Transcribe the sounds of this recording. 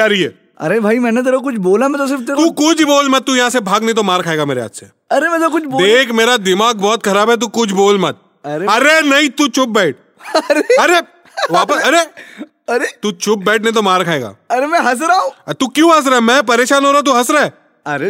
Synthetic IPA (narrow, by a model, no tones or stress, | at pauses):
aɾɐɦiɛ̰ː | ɐ̰ɾebʱaːimɛ̃ːnet̪ɐɾɐk̬ʊt͡ʃʰboːlamɛ̃t̪os̬ɪɾft̪et̪ːkʊt͡ʃʰboːlmɐt̪̚t̪ujɐɦãːsebʱaːɡnɐĩt̪omaːɾkʰaːeːɡameːɾeɦa̰ːt̪sḛ | ɐɾemɛ̃zakʊt͡ʃʰbod̪eːkʰmeːɾad̪ɪmaːɡ̚bɔːt̪kʰɐɾaːbɦɛt̪̬ukʊt͡ʃʰboːlmɐt̪̚ | ɐɾeɐɾenɐɦĩt̪ut͡ʃʊp̚bɛːʈ̚ | ɾeɐɾe | ʋaːpəsɐɾe | ɐɾet̪uːt͡ʃʊp̚bɛːʈʰneĩt̪omaːɾkʰaːeːɡa̰ːɐɾemɛ̃ɦɐs̬ɾaːũːt̪ukjũːɦɐs̬ɾɛmɛ̃ːp̬ɐɾeːʃaːnɦoːɾat̪̬uɦɐsɾɛː | ɐɾe